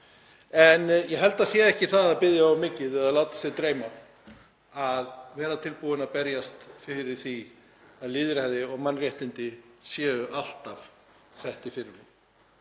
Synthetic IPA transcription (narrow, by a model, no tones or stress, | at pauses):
ɛnjɛɦɛl̪t̪asjɛɛhcɪθaðaðpɪðjaɔmːɪːcɪðɛðaðlaːwt̪ḁsjɛðt̪ɾeːjma | aðvɛːɾat̪ʰɪlpuɪnaðpɛɾjast̪fɪɾɪɾ̥θi | aðlɪːðɪɾ̥haðɪɔɣmanːrjaht̪ɪnt̪ɪsjɛːɣʏʔal̥t̪av | θɛht̪ɪfɪɾɪɾɪm